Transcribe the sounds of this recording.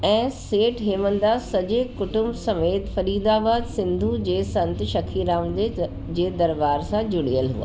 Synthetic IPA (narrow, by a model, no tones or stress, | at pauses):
ɛ̃ːseːʈɦeːmə̃nd̪asɐd͡ʒeːkʊʈʊ̃mbsɐmeːt̪fʰɐɾiːd̪aːbaːd̪sɪ̃nd̪ʱud͡ʑeːsɐ̃nt̪ʃɐkʰːiːɾaːmd̪e | d͡ʑeːd̪ɐɾbaːɾsãd͡ʒʊɽijəlɦṵa̰ː